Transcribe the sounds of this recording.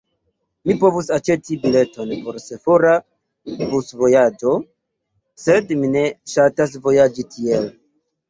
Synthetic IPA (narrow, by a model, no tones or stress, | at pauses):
mipo̞vusat͡ʃe̞tibile̞to̞npo̞ɾse̞foɾa | busvo̞jad͡ʒo̞ | se̞dmine̞ʃatas̬vo̞jad͡ʒitʰie̞l